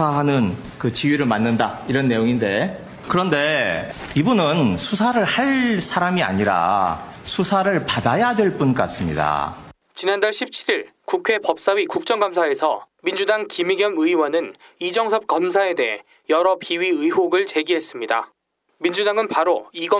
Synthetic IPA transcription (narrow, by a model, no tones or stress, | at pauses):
aɦanɯn | kɯt͡ɕiɥiɾɯɭmanːɯndaiɾʌnːe̞joŋinde̞ | kɯɾʌnde̞ibunɯnsʰusʰaɾɯɭhaɭsʰaɾamia̰ɲiɾa̰sʰusʰaɾɯɭpadajadwe̞ɭp͈unk͈a̰s͈ɯmɲḭda̰ | t͡ɕinandaɭɕʰip̚t͡ɕʰiɾiɭ | kukʰwe̞pʌp̚s͈awikuk̚t͡ɕ͈ʌŋɡamsʰae̞sʰʌ̰mind͡ʑudaŋkimiɡjʌmɯiwanɯnid͡ʑʌŋsʰʌp̚k͈ʌmsʰae̞de̞ɦe | jʌɾʌpiɥiɯiɦoɡɯɭt͡ɕe̞ɡiɦe̞s͈ɯmɲida̰ | mind͡ʑudaŋɯnpaɾoiɡʌ